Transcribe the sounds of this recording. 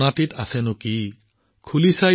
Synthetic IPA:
natit̪asɛnʊki | kʰulisaj

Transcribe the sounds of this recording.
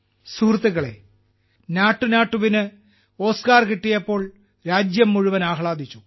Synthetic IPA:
suːrt̪uɣɐɭḛ | naːʈːunaːʈːuʋinɨ | o̞ːskaːrkiʈːijɐpːo̞ːɭ | ɾaːd͡ʑjɐmːuɻuʋɐnaːɦɭaːd̪ʱit͡ɕːu

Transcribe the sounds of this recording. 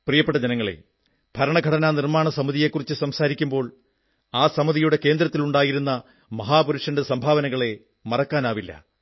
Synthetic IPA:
prijɐpːeʈːɐd͡ʑenɐŋːɐɭḛ | b̥ʱɐɾɐɳɐɡʱɐɽɐnanirmaːɳɐsɐmɐðije̞kːurit͡ɕːɨsɐmsaːɾikʲːumbo̞ːɭ | aːsɐmɐðijuɽe̞ke̞ːnd̪ɾɐt̪ːiluɳɖaːjiɾunːɐ | mɐɦaːpuɾuʂɐndesɐmbʱaːʋɐnɐɣɐɭe̞ | mɐrɐkːaːnaːʋilːɐ̰

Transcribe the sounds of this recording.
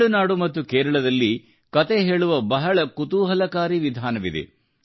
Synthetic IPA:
ɭunaːɽumɐt̪ːukeːɾɐɭɐd̪ɐlːi | kɐt̪eɦe̞ːɭuʋɐbɐɦɐɭɐkut̪uːɦɐlɐkaːɾiʋid̪ʱaːnɐʋid̪ḛ

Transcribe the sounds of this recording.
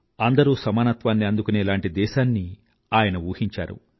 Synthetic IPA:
ɐnd̪ɐɾuːsɐmaːnɐt̪ʋaːnːiɐnd̪ukuneːlaːɳʈid̪ɛːʃaːnːi | aːjɐnɐuːhiɲt͡ʃa̰ːɾṵ

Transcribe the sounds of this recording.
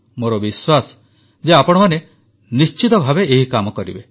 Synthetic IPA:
moɾɔbiswas | d͡ʒeapɔɽ̃ɔmane | nist͡ʃit̪ɔbʱabeːɦikamɔkɔɾḭbe

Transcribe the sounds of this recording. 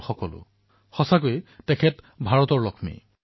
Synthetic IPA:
xɔkɔlʊ̰ | xɔsakojtɛkʰɛt | bʱaɹɔtɔɹlɔkʰmḭ

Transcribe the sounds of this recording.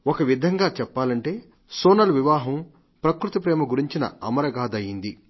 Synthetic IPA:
okɐʋid̪ʱɐŋɡaːt͡ʃɛpːaːlɐɳʈe̞ː | soːnɐlʋiʋaːɦɐm | pɾɐkɾut̪ɐpɾɛːmɐɡuɾiɲt͡ʃinɐ̰ɐmɐɾɐɡaːd̪ɐjind̪i

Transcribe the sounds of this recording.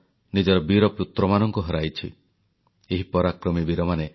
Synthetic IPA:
nid͡ʒɔɾɔbiɾɔpjut̪ɾɔmanɔŋkuɦɔɾajt͡ʃʰḭ | eɦipɔɾakɾɔmibiɾɔmane

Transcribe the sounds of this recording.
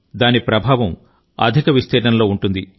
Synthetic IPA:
d̪aːnipɾɐbʱaːʋɐm | ɐ̰d̪ʱikɐʋist̪ɛːɖɐnlo̞ːuɳʈund̪i

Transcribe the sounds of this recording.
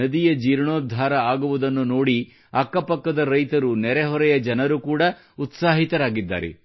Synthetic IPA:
ɐd̪ijɐd͡ʒiːɾɳoːd̪ʱaːɾɐaːɡuʋud̪ɐnːuno̞ːɽi | ɐkːɐpɐkːɐd̪ɐɾɐjt̪ɐɾunɛɾɛɦɔɾɛjɐd͡ʒɐnɐɾukuːɽɐ | ut̪saːɦit̪ɐɾaːɡid̪ːa̰ːɾḛ

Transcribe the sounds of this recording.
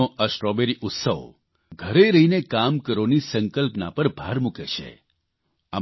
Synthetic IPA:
oʔəsʈɾɔbeɾiʔʊt̪səʋ | ɡʱəɾeɾəɦinekamkəɾonisəŋkəlpna̰pəɾbʱaɾmukeʃḛ | a̰

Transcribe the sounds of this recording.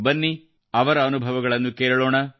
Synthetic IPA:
bɐnːi | ɐʋɐɾɐːnubʱɐʋɐɡɐɭɐnːukeːɾɐɭoːɳɐ

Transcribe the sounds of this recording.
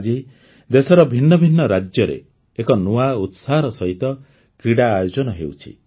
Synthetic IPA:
d͡ʒi | d̪esɔɾɔbʱinːɔbʱinːɔɾad͡ʒjɔɾḛː | kɔnuaut̪saɦɾɔsɔɦit̪ɔ | kɾiɽaːjod͡ʒɔnɔɦewt͡ʃʰḭ

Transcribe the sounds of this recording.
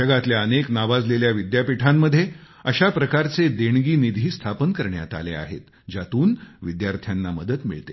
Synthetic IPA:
əɡat̪ljaəneknaʋad͡zleljaʋid̪japiʈʰamːəd̪ʱːje | əɕapɾəkaɾt͡sed̪eɳɡiːnid̪ʱiːst̪ʰapənkəɾɳja̰t̪a̰lea̰ɦḛt̪ | d͡ʑat̪uːnʋid̪jaɾt̪ʰjanːaməd̪ət̪mḭɭt̪ḛ

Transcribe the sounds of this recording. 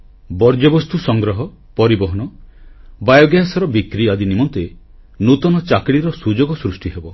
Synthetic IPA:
bɔɾd͡ʒɔbɔst̪usɔŋɡɾɔɦɔ | pɔɾibɔɦɔnɔ | bajɔɡjaɦesɔɾɔbikɾiad̪inimɔnt̪e | nut̪ɔnɔt͡ʃakɽiɾɔsud͡ʒoɡɔsɾusʈiɦebɔ

